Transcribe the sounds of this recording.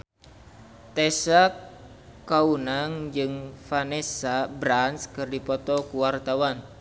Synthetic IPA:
t̪esak | kaunaŋd͡ʒɨŋfanesabɾanskɨrdipɔt̪ɔkuwart̪awan

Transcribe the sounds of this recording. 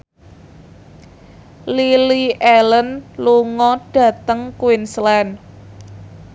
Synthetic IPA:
liliʔɛlənluŋɔɖ̥ä̤t̪əŋkwinslɛn

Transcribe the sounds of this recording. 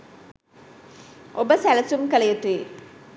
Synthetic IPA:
obəsælɐsumkɐlɐjut̪ːi

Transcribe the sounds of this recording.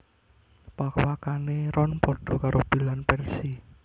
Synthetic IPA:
pakwakaneɾɔnpɔɖ̥ɔ̤kaɾʔob̥i̤lanpɛrsi

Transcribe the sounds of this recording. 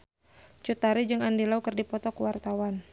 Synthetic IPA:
t͡ʃut̪aɾid͡ʒɨŋandilaukərdipɔt̪ɔkəwart̪awan

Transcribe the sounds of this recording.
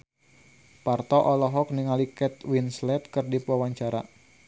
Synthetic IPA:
part̪ɔʔɔlɔɦɔk̚niŋalikɛt̪̚winslɛt̪kɨrdipuawaɲt͡ʃaɾa

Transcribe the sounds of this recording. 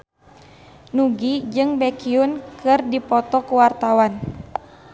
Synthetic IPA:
nuɡid͡ʒɨŋbɛkiunkɨrdipɔt̪ɔkuwart̪awan

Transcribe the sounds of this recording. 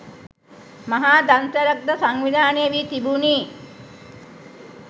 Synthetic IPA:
maɦaːd̪ant̪əɾɐk̚d̪əsaŋʋid̪ʱaːnejəʋiːt̪ibuniː

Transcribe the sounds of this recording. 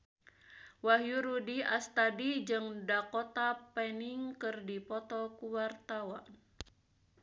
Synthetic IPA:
waɦjuɾudiast̪adid͡ʒɨŋdakɔt̪apɛniŋkɨrdipɔt̪ɔkuwart̪awan

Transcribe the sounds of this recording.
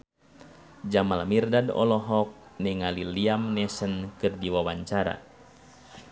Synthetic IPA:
d͡ʒamalamirdadɔ̰lɔɦɔk̚nɛŋaliliamnɛsənkɨrdiwawaɲt͡ʃaɾa̰

